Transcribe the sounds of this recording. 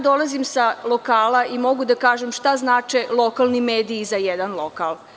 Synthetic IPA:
d̪o̞lˠazimsalˠo̞kaːlaimo̞ɡud̪akaːʒemʃt̪aznaːt͡ʃelˠo̞kalˠnimeːd̪iːzajed̪anlˠo̞kalˠ

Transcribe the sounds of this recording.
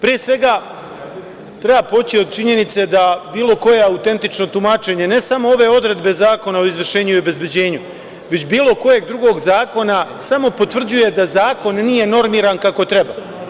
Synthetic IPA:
pɾijesʋe̞ɡa | t̪ɾe̞baːpo̞t͡ɕio̞d̪̚t͡ʃiɲe̞nit̪se̞d̪abiːlo̞ko̞jeaut̪e̞nt̪it͡ʃno̞t̪umat͡ʃe̞ɲe̞ne̞samo̞o̞ʋe̞o̞d̪ɾe̞d̪be̞zaːko̞nao̞izʋr̩ʃeːɲuiobe̞zbe̞d͡ʑe̞ːɲu | ʋe̞t͡ɕbiːlo̞ko̞je̞ɡ̚d̪ɾuɡo̞ɡzaːko̞nasamo̞po̞t̪ʋr̩d͡ʑuje̞d̪azaːko̞nːiːje̞no̞ɾmiːɾankako̞t̪ɾe̞ba

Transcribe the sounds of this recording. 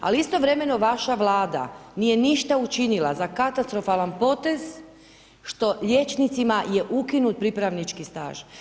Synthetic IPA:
a̰liist̪o̞ʋɾe̞me̞no̞ʋaʃaʋlˠaːd̪a̰nije̞niʃt̪aut͡ʃinila̰zakat̪ast̪ɾo̞falanpo̞t̪ez | ʃt̪o̞ʎje̞t͡ʃnit̪simaje̞ʔukinut̪̚pɾipɾaʋnit͡ʃkist̪a̰ːʒ̥

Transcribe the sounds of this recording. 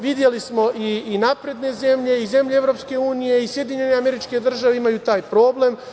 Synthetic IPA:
ʋid̪je̞lismo̞ʔiːnapɾe̞d̪ne̞ze̞mʎe̞ize̞mʎeevɾo̞pske̞uːnije̞isje̞d̪iɲe̞neame̞ɾit͡ʃke̞d̪r̩ʒaʋeimajut̪aːjpɾo̞ːble̞m

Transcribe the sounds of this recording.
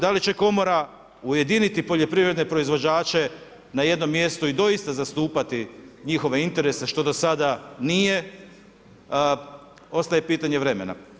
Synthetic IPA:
d̪alit͡ɕe̞ko̞mo̞ɾa | uje̞d̪init̪ipo̞ʎo̞pɾiʋɾed̪ne̞pɾo̞izʋo̞d͡ʑaːt͡ʃe̞ | naje̞d̪no̞mːje̞st̪oid̪o̞ist̪azast̪uːpat̪iɲixo̞ʋe̞int̪e̞ɾe̞se̞ʃt̪o̞d̪o̞sad̪anije̞ | o̞st̪ajepiːt̪aɲe̞ʋɾe̞me̞̰na̰

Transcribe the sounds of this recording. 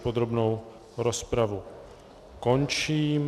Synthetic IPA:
pod̪ɾobnow | ɾospɾavu | koɲt͡ʃiːm

